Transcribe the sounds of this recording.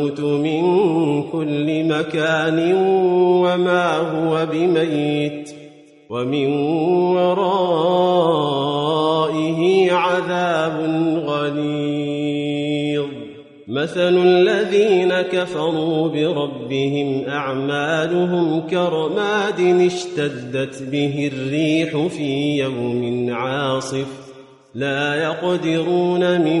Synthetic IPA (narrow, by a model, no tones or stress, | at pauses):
t̪ʊmɪnkʊlːɪmakaːnɪnwamaːɦʊwabɪmajːɪt̪ | wamɪnwɑɾˤɑː | ʔɪɦiʕaðaːbʊnɣali | ɣ | maθallːaðiːnakafɑɾˤuːbɪɾˤɑbːɪhɪmʔaʕmaːlʊɦʊmkɑɾˤɑmaːd̪ɪnɪʃt̪ad̪ːat̪bɪɦɪrːiːħʊfiːjawmɪnʕɑːsˤɨf | laːjɑqd̪ɪɾuːnamɪ